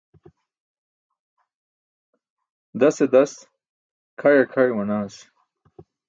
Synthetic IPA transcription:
d̪ased̪ɐs | kʰajakʰajwɐnaːs

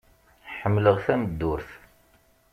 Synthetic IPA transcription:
ħəmːləʁθæməd̪ːʊɾθ

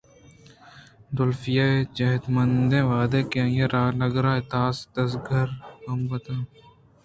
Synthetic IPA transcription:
d̪ʊlfɪjaːed͡ʒɐɦɪd̪mɐnd̪ẽːʋaːd̪eːkeɐ̃jeɾaːnɐɡɾaːɪt̪aːsd̪ɐsɡʱɐɾkɐmbɐt̪ãː

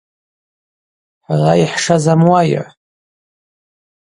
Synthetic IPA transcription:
ħaraiħʂazamwaj̰ʕ

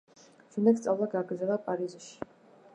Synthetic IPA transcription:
t͡ʃʰɛnd̪ɛk̪st̪sʼavlˠaɡaːɡɾd̪zɛlˠapʼaɾizʃi̥

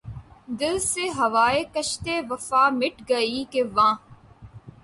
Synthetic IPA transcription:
d̪ɪlseɦɐʋaːeːkɐʃt̪eːʋɐfaːmɪʈɡɐiːkeʋãː

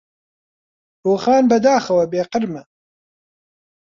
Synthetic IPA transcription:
ɾoːxaːnbɐd̪aːxɐwɐbeːqəɾmɛ

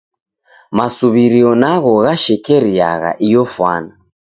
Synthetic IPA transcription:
masuβiɾiɔnaɣɔɣaʃɛkɛɾia̰ɣa̰ʔijɔfwa̰na

